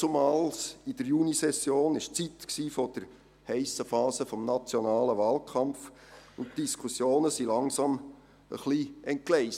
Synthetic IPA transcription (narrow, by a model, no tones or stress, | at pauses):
t͡sʊmɑːlsid̥əɾjunisɛsjoːnɪʃt͡sit̪ksiːfɔd̥əɾ | hɛɪsəfɑːsəfɔmnɑt͡sjonɑːləʋɑːlkʰɑmf | ʊntd̥iskʰusjoːnəsilɑŋsɑm | ə̰χliɛnt̚klɛɪs